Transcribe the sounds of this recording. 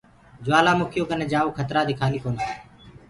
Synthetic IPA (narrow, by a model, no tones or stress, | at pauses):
d͡ʒʊʋaːlaːmʊkʰɪjoːkəneːd͡ʒaːuːkʰət̪ɾaːd̪ɪkʰaːliːkoːniː